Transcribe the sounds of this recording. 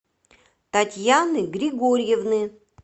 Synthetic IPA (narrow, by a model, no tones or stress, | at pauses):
t̪atʲjanɨɡɾʲɪɡoɾʲjevnɨ